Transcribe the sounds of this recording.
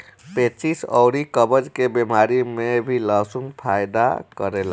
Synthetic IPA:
pet͡ʃisɔ̰ʊɾikəbəd͡ʒkebemaɾimebʱilasumpʰajd̪a̰kəɾela

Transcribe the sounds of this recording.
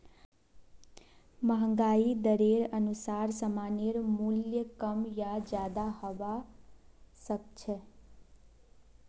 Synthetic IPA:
məɦəŋɡaid̪əɾeɾənusaɾsəmaneɾmuljəkəmjad͡ʒjad̪ahɔba | sək̚t͡ʃʰɛ

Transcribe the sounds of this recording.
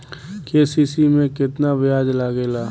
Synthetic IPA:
keːsiːsimẽkɪt̪nabɪjaːd͡ʒlaɡelaː

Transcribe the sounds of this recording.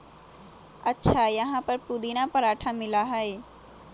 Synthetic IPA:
ɐtːʃʰajɐɦãpəɾpuːd̪iːnãpɐɾaːʈʰamɪlaɦɛeː

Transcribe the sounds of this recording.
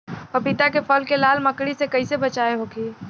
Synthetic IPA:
ɐpɪt̪akepɐlkelaːlmɐkɽisekɐisebɐt͡ʃaːeɦoːɡiː

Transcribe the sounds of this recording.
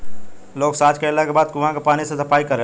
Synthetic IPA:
loːksad͡ʒkelakebaːd̪kuʋãkepaːnisẽsɐpaːikəɾe

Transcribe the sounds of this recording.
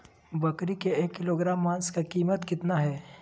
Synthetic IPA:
bɐkɾikeeːkːɪloːɡɾaːmːãːnskakiːmət̪kɪt̪naɦɛː

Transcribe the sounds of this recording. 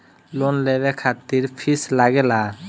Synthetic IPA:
lonlebekʰat̪ːiɾpʰislaɡela

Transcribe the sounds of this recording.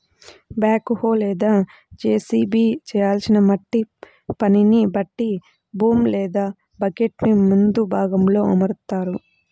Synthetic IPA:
baːkhoːlɛːd̪aː | d͡ʒeːsiːbiːt͡ʃɛːjaːlsinɐmɐʈːi | pɐninibɐʈːi | buːmlɛːd̪aː | bɐɡeʈnimund̪ubʱaːɡɐmlo̞ːɐ̰mɐɾt̪aːɾu

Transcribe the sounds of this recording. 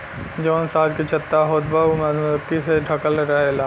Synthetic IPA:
d͡ʒoːnsaːd̪kit͡ʃʰɐt̪ːaɦoːt̪bamɐt̪iseɖʱɐkəlɾəɦelaː

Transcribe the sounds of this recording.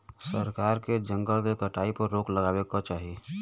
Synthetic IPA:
səɾkaːɾked͡ʒə̃ŋɡəlkekəʈaːipəɾːoːkləɡaːwekat͡ʃaːɦieː

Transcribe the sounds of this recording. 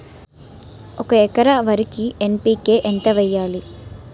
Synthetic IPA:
ɔkɐɛkɐɾɐʋɐɾikiempiːke̞ːʔent̪ɐʋɛjːaːli

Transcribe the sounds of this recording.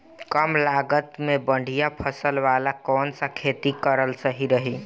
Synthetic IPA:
kəmlaɡət̪mebəɳɖʱijapʰəsəlʋalakɔːnsə̃kʰet̪ikəɾəlsəɦiɾəɦi

